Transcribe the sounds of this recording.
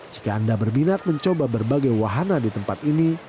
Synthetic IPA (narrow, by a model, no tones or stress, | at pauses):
d͡ʒikaːndabərbinat̪̚məɲt͡ʃobabərbaɡajwaɦanadit̪əmpat̪ini